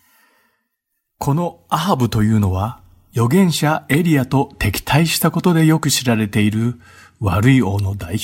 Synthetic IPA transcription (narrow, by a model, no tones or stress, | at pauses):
kʰo̞no̞aɦabɯ̟t̪o̞jɯ̟ːno̞β̞a | jo̞ɡẽ̞ɰ̃ɕae̞ɾʲiat̪o̞t̪e̞kʲi̥t̪ʰaiɕi̥t̪ako̞t̪o̞d̪e̞jo̞kɯ̟ɕiɾaɾe̞t̪e̞iɾɯ̟ | βaɾɯ̟io̞ːno̞d̪ai